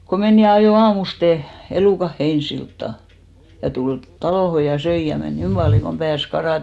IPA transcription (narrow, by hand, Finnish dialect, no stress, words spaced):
ko men jɑ ɑjoˑ ɑːmuste eluˑkɑh̆ heinsiltːɑ jɑ tul tɑloˑho jɑ søi jɑ men niːm pɑljoŋ kom pæːs kɑrɑˑte